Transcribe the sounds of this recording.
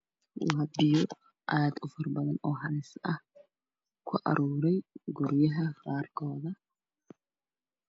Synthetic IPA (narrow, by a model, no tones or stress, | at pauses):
waːbɪjɔ | ʔad̪ʊfɐrbɐðɐnɔːɦɐnɪsɐh | kʰʊʔɐ̰ɾʔuːɾɛjɡʊɾjɐɦɐraːrkʰɔːðɐ